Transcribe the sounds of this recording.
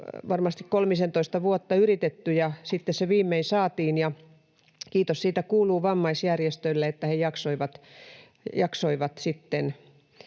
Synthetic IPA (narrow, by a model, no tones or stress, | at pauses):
ʋɑrmɑst̪ikkolmisent̪oist̪ɑʋuot̪ːɑyrit̪et̪ːyjɑsit̪ːesseʋiːmːeisɑːt̪iːnjɑ | kiːt̪ossiːt̪ækuːluːʋɑmːɑisjærjest̪ølːeet̪ːæhejɑksoiʋɑt̪ | jɑksoiʋɑt̪sit̪ːen